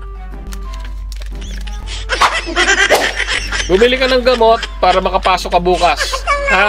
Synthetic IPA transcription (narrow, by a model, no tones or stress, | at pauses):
bʊmɪlɪkɐnɐŋɡɐmo̞t̪̚paːɾɐmɐkɐpaːsokːɐbuːkɐsha